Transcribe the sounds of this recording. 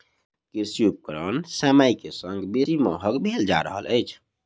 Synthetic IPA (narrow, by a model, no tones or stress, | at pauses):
kiɾsjup̚kəɾənsɛmaikesəŋɡbesimɔ̰ɦəɡbʱeld͡ʒa̰ɾə̰ɦə̰lʔəjt͡ʃʰ